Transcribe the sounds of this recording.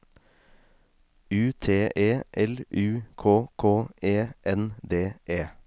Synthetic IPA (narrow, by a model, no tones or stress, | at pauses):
ʉːt̪ʰeːʔeːʔɛlʉːkʰoːkʰoːeːʔɛnd̪eːʔeː